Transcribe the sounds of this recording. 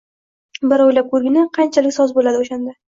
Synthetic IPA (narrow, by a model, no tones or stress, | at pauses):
bɪɾɒjlap̚kʰɵɾɡʲɪnɪqʰɑnt͡ʃʰalɪkʲsɒzbolad̪ɪoʃand̪a